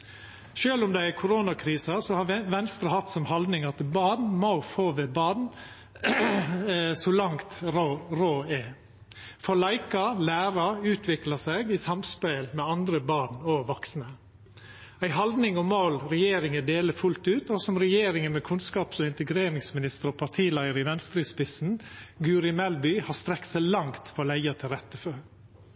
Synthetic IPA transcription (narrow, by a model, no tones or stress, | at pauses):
ʃøːlʊmd̪ɛækʰʊɾoːnɑkʰɾiːsɑsɔhɑʋɛnst̪ɾɑhɑt̪sɔmhɑld̪nɪŋɑt̪bɑɳmɑʊfoːʋɛbɑɳ | sɔlɑŋt̪ːɾoːɛ | fɔlɑɪkɑlæːɾɑʉːt̪ʰʋɪklɑsɛɡɪsɑmspɛlmɛɑnd̪ɾəbɑːɳɔʋɔksnə | æɪɦɑld̪nɪŋɔmoːlɾɛjeːɾɪŋəd̪eːləfʉlt̪ʉːt̪ɔsɔmɾɛjeːɾɪŋənmɛkʰʉnskɑːpsɔɪnt̪əɡɾeːɾɪŋsmɪnɪst̪əɾɔpʰɑt̪ʰiːlæɪəɾɪʋɛnst̪ɾɪspɪsn̩ɡʉːɾɪmɛlbʏhɑst̪ɾɛkt̪sɛɪlɑŋt̪fɔlæɪɑt̪ʰɪɾɛt̪ːəfø